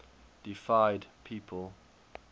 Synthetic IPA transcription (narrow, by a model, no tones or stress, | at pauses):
d̥ifaɪdpʰiːpʰəlˠ